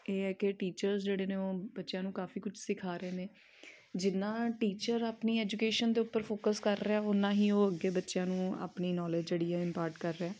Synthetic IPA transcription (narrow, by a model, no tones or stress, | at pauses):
eːɛːkɪʈiːt͡ʃəɾzd͡ʒeːɽeːneːoːbətːʃjãːnũːkaːfʰiːkʊt͡ʃʰsɪkʰaːɾəeːneː | d͡ʒɪnːãːʈiːt͡ʃəɾaːpniːɛːd͡ʒuːkeːʃənd̪eːʊpːəɾpʰoːkəskəɾːeɛːʊnãːɦiːoːəɡːeːbətːʃjãːnũːa̰ːpniːnɔːleːd͡ʒd͡ʒeːɽijãːɪmpaːɾʈkəɾːɛː